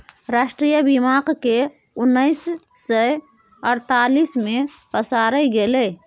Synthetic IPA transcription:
ɾaːʃʈɾijəbimaːqke | ʊnːəɪsː | ə | əɾt̪alismẽpəsaɾəɡele

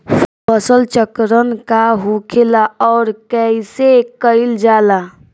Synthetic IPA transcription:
bəsəlt͡ʃəkɾənkaɦukʰelaɔːɾkɛisekəild͡ʒaːla

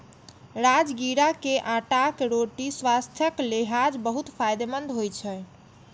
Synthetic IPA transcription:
ɾad͡ʒɡiɾakeʔãʈakɾoʈiswast̪ʰjəkleɦad͡ʒbəɦut̪pʰajd̪emənd̪ɦojt͡ʃʰɛ

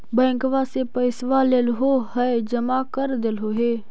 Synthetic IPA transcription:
bɛ̃ːŋkʋaːsepəɪsʋaːlelɦoɦəed͡ʒəmaːkəɾd̪elɦoːɦeː

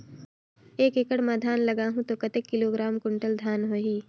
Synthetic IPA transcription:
eːkekəɽmɛːd̪ʱaːnlɐɡaːɦũt̪oːkɐt̪ekːɪloːɡɾaːmkʊɳʈəld̪ʱjaːnɦoːɦiː

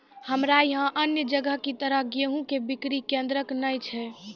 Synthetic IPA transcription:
həmɾajɦãʔənjəd͡ʒəɡəɦkit̪əɾəɦɡeɦũkebikɾikẽnd̪ɾəknəjt͡ʃʰɛ

